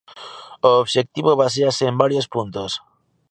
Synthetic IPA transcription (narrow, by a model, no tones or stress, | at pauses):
oːβʃek̚t̪iβoβas̬easeːmbaɾjospunt̪os